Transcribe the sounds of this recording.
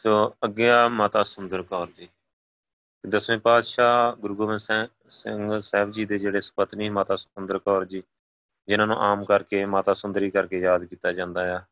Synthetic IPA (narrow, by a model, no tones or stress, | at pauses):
soːəɡːeːaːmaːt̪aːsʊnd̪əɾkɔːɾd͡ʒiː | t̪ed̪əsʋẽːpaːd̪ʃaːɡʊɾɡoːʋə̃ns | sɪŋɡsɛːbd͡ʒiːd̪eːd͡ʒeːɽeːsə̥pət̪niːmaːt̪aːskʊnd̪əɾkɔːɾd͡ʒiː | d͡ʒɪnãːnṵ̃ːʔaːmkəɾkeːmaːt̪aːsʊnd̪ɾiːkəɾkeːjaːd̪kiːt̪aːd͡ʒãːnd̪aːjaː